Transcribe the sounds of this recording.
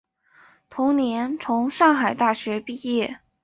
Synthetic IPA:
t̪ʰʊ˧˥ŋnjɛ˧˥nt͡sʰʊ˧˥ŋʂɑ˥˩ŋxa˨˩ɪt̪a˥˩ɕɥɛ˧˥pi˥˧jɛ˥˩

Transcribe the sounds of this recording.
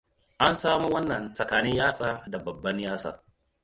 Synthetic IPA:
ʔa˦nsaː˦mu˦wɐ˦nːɐ˨nsʼɐ˨kaː˨nɪ˦ɲjaː˦sʼaː˦da˨bɐ˨bːɐ˦ɲjaː˦sa̰ː˦

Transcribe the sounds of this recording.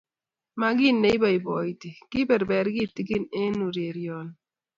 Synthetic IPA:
ma˦ɡɪ˦ne˨˦i˦ba˨i˨bɔ˨i˨ti˨kɪ˦bɛ˨ɾbɛ˨ɾɡɪ˦ti˦ɡɪ˦ne˦nu˨ɾe˨ɾjɔ˨n

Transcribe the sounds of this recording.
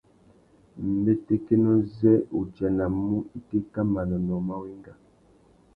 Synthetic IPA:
m̩˨be˦te˦ke˦nɔ˦zɛ˦u˨d͡ʒa˨na˨mu˦i˦te˦ka˦ma˨nɔ˨nɔ˨ma˦wi˦ŋɡa˨

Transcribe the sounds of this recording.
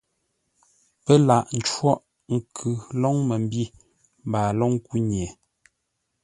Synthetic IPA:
pə˦la˨ʔn̩˦t͡ʃwɔ˦ʔ | ŋ̩˨kʰʉ˨lɔ˦ŋmə˨m˦bi˦˨ | m˨baː˨lɔ˦ŋ˦ku˦ɲɛ˨

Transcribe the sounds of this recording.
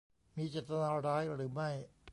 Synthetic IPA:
miː˧t͡ɕeː˨˩t̪ːa˧naː˧ɾaː˦˥jɾɯː˩˦ma˥˩j

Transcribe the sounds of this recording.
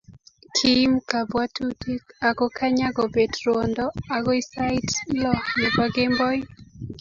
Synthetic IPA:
kʰi˦mka˨bwa˦tu˦ti˦ka˨ɡɔ˦ka˦ɲa˦ɡɔ˨be˨dɾwo˨ndɔ˦a˨kɔ˦i˦sa˦ɪ˦tlɔ˦˨ne˨bwa˦ɡe˦mbɔ˦j

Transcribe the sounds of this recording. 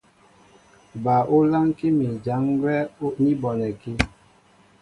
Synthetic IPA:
ba˨ʔo˦la˦ŋki˦mi˨d͡ʒa˨˦ŋɡwɛ˦ni˦bɔ˨nɛ˨ki˦

